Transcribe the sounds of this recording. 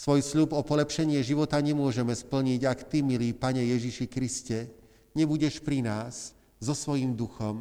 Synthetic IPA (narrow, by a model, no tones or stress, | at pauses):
sʋɔjsʎupɔpɔlɛpʃɛɲɪɛʒiʋɔt̪aɲɛmʊɔʒɛmɛspl̩ɲiɟakt̪imiliːpaɲɛjɛʒiʃikɾiscɛ | ɲɛbuɟɛʃpɾinaːz | zɔsʋɔjimd̪uxɔm